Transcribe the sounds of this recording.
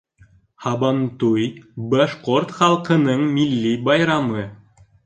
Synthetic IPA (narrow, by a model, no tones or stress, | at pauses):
hɑbɑnt̪ujbɑʃqort̪χɑlˠqɤ̆nɤɴmilʲːibɑjɾɑmɤ